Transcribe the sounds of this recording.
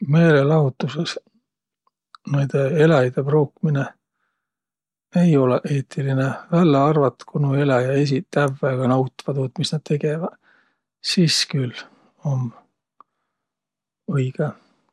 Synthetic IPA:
me̞ːlelɑɦut̪ːˑuses | nejd̪̥eelɑjd̪eproːkmine | e̞jo̞leʔe̞ːt̪ːˑilinevælːeɑrvɑt̪ːkunue̞lɑjɑe̞s̬it̪ːævæɡ̥ɑnɑwt̪ːˑvɑd̪uːt̪misnɑd̪̥̚t̪ʰe̞ɡ̥e̞vɑd̪̥ | siːskyl | om | ɤjɡ̥e

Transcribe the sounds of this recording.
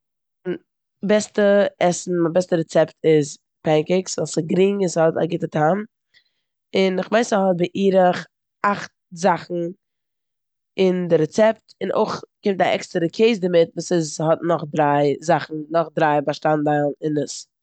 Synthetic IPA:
n | bɛstəɛsn̩mabɛstəɾɛt͡sɛptʰɪz | pɛŋkɪksvɔlˠsɪɡɾiŋɪshɔta̰ɡɪtətʰam | ɪnɪχveɪsɪhɔt̚bɪʔiːɾəχ | aχt̚ | zaχn̩ | ɪndɪɾɛt͡sɛptɪnʔo̰ɪχkɪmtaʔɛ̰kstəɾəkʰeɪz̬dəmɪtvuːsɪzhɔtnɔχdɾaɪzaχn̩nɔχdɾaɪbaʃtandaɪlˠnɪnəs

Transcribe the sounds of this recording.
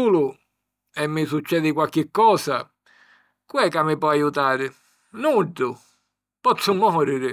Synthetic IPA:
uːlʊ | ɛmːɪsut͡ʃːɛːd̪ɪkwalk̟ɪkːɔːsa | kwɛkːamːɪpɔajut̪aːɾɪ | nud̪ʊ | pɔt̪sːʊmɔɾiɾɪ

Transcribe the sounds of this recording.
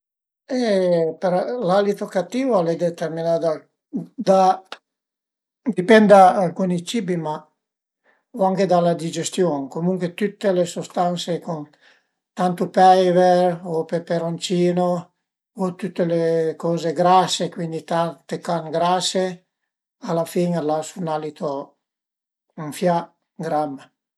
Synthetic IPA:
epeɾlalit̪okat̪ːiːvaalɛd̪et̪erminad̪a | d̪a | d̪ipɛnd̪aːlkunit͡ʃibima | oaŋked̪alad̪id͡ʒest̪joŋkomuŋkwet̪ut̪ːelesust̪ansekon | t̪ant̪upɛjveɾopepeɾont͡ʃiːno | ot̪ut̪ːelekɔzeɡɾasekwind̪it̪at̪ekaŋɡɾase | alafiŋalasunalit̪o | uɱfja | ɡɾamːa

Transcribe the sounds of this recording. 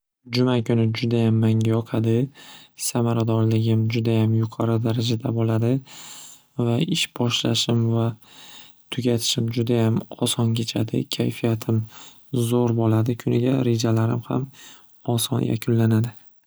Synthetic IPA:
d͡ʒʊmakʲʰʊnɪd͡ʒʊd̪ajamːaŋʲajɒqʰad̪ɪsamaɾad̪ɒɾlɪɡʲɪmd͡ʒʊd̪ajamjʊqʰɒɾɨd̪aɾad͡ʒad̪abolad̪ɪ | vaɪʃbɒʃla̰ʃɪmva | t̪ʰʊɡʲat̪ʰɪ̥ʃɪmd͡ʒʊd̪ajamɒsɒnkʰʲe̞t͡ʃʰad̪ɪ̰kʲʰajfijat̪ʰɪm | zoɾbolad̪ɪkʰʊnɪɡʲaɾe̞d͡ʒalaɾɪmha̰m | ɒsɒ̰njʔa̰kʲʰʊnlanad̪ɪ

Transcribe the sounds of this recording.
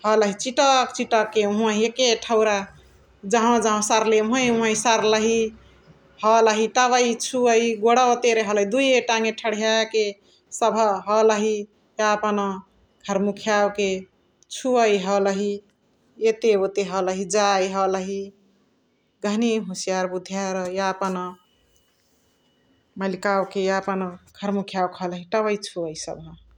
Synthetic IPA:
hʌləɦit͡ʃiʈəkt͡ʃiʈʌkːeɦũãĩekeʈʰəwɾa | d͡ʒaɦãd͡ʒaɦõsaɾleũɦə̃ĩɦə̃isaɾləɦi | hʌləɦit̪aβəit͡ʃʰuəiɡoɽaot̪eɾeɦʌləɦid̪ujeʈaŋeʈʰəɽ̤jake | səbʱəɦɔləɦi | japanɔ | ɡʰʱəɾmukʰjawke | t͡ʃʰuəjɦələɦi | jet̪eot̪eɦələɦid͡ʒajɦələɦi | ɡʱəɦniɦusjaɾbud̪ʱjaɾjapənə | məlikawkejapənɡʰʱəɾmukʰjawkɦʌləɦiʈəβəit͡ʃʰuəisə̰bʱə

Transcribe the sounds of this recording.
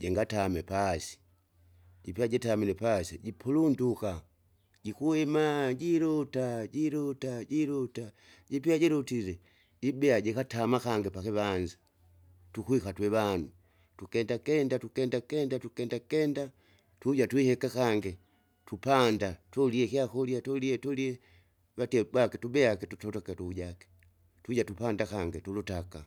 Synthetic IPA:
ɟɛŋɡatamɛpasi̥ | ɟipiaɟɛtamilɛpasiɟipʰulunduka | ɟikuɛmaɟiɾutaɟiɾutaɟiɾuta | ɟipiaɟɛɾutilɛ | ɟibɛaɟɛkatamakaŋɡɛpakɛβanzḁ | tukwikatwɛβanu | tukɛndakɛndatukɛndakɛndatukɛndakkɛnda | tuuɟatwihɛkakaŋɡɛ | tupandatuliɛkiakɔljatɔliɛtuliɛ | βatɛbwakɛtubɛakɛtutɔtakɛtuuɟakɛ̥ | tuɟatupandakaŋɡɛtulutaka

